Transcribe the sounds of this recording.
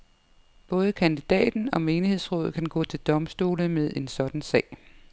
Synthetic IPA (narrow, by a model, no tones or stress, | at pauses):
b̥ɔ̽ːð̞̩ˠəkʰænd̥id̥ɛ̰ːd̥n̩ɒ̽me̝ːnihe̝ð̞̰ˠsʁɔ̽ːð̞̩ˠkʰænɡ̥ɔ̰ːt͡sʰe̝ld̥ɒ̽msd̥uːləmeð̞ˠʔe̝nsɒ̽d̥n̩sɛ̰ːɪ̰